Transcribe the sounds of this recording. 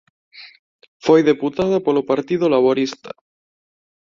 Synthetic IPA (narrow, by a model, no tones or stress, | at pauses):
fojðeput̪að̞apolopaɾt̪iðolaβoɾist̪ḁ